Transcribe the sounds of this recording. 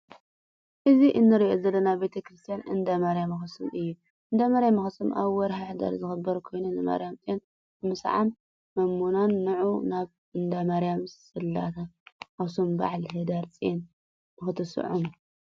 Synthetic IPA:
ʔɨziʔɨnːɨɾiʔozɐlːɐnabe̞t̪ʰɐkʰɾɨst̪ʰijanɨ̰nd̪amaɾijamɐxɨsɨmʔɨjːu | ʔɨnd̪amaɾjamɨxɨsɨmʔa̰βwɔɾɦaħd̪a̰ɾzɨxɨbɐɾkʰo̞jnunɨma̰ɾijamt͡sʼjen | ɨmɨsʕa̰mː | ɐmːunanːɨʕunaβ | ɨnd̪amaɾjams | ɨlːa̰t̪ʰaxɐsomba̰ʕlɦɨd̪aɾt͡sʼijen | mɨxɨt̪ʰɨsɨ̰ʕum

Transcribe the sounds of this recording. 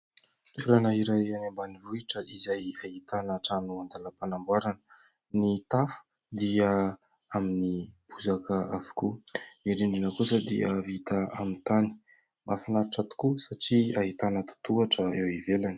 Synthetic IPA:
t̪eɾanəiɾajanambanivuiʈ͡ʂəʔizajaɦit̪anaʈ͡ʂanuand̪aləpanambwaɾanə | nit̪afu̥ | d̪iə | aminib̥uzakəavu̥kumiɾiɳɖ͡ʐinəkusəd̪ḭəvit̪aamint̪ani̥ | mʔafinaɾiʈ͡ʂat̪u̥kusaʈ͡ʂiaɦit̪anət̪u̥t̪uaʈ͡ʂəewivelani̥

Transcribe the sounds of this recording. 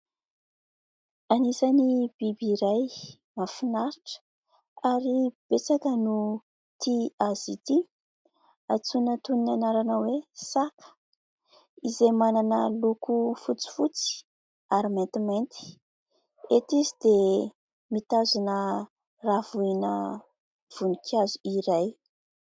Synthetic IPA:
anisanib̥ibiɾaj | mafinaɾiʈ͡ʂə̥ | aɾib̥et͡sakənu | t̪iazit̪i | at͡sunət̪uninanaɾanawesakə̥ | izemananəlukufut͡si̥fut͡si̥ | aɾiment̪iment̪i̥ | et̪izid̪e | mit̪azunə | ravuinə̰ | v̥unikʰazuiɾaj

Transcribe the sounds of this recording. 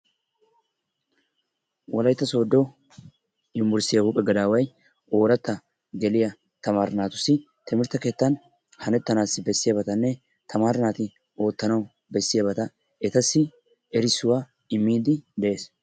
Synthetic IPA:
wɔlɐjt̪ːɐso̞ːd̪ːɔ | ɪmːʊɾsɪjɐhuːpʼɛɡɐd̪aːwɐj | ʔo̞ːɾɐt̪ːɐ | ɡɛlɪjɐ | t̪ɐmaːɾɪnaːt̪ʊsːɪ | t̪ɪmɪɾt̪ɐke̞ːt̪ːɐn | hɐnɛt̪ːɐnaːsɪbɛsːɪjɐːbɐt̪ɐnːɛ | t̪ʰɐmaːɾɪnaːt̪ɪ | o̞ːt̪ːɐnɐw | bɛsːɪjabɐt̪ɐ | ɛt̪ɐsːɪ | ɛɾɪsːʊwaː | ɪmːiːd̪ɪd̪ɛʔe̞ːs

